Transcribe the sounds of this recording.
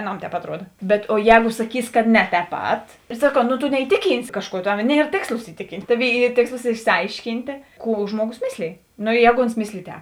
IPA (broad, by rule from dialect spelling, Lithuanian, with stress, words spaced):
ɐˈnɐm tʲɛːp ɐtˈruɔdɐ bʲɛt oː ˈjɛːɡʊ sɐˈkʲiːs kɐ nʲɛ tʲɛːp ˈpɐt ɪr sɐˈkɐʊ noː toː nʲɛɪˈtʲɪˌkʲiːnʲsʲɪ ˈkɑːʃˌkuɔ ˈtɐw ˈnʲiɛr ˈtʲeːkslˠoːs ɪˈtʲɪˌkʲiːnʲtʲ ˈtɑːˌʋʲeːɪ ˈiː ˈtʲeːkslˠoːs ɪʃʲsʲɪˈɐɪʃʲˌkʲiːnʲtʲeː ˈkuː ˈʒmuɔˌɡoːs ˈmʲɪsʲlʲeːj noː ɪ ˈjɛːɡoː oːns ˈmʲɪsʲlʲeːj ˈtʲɛːp